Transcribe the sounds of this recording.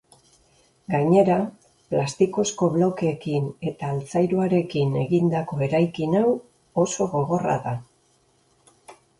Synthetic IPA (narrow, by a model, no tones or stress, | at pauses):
ɡaɲe̞ɾa | plast̪iko̞sko̞βlo̞ke̞ːkine̞t̪aːlt͡sajɾuaɾe̞kine̞̰ɣind̪ako̞e̞ɾajkinaw | o̞so̞ɣo̞ɣ̞o̞ra̰ða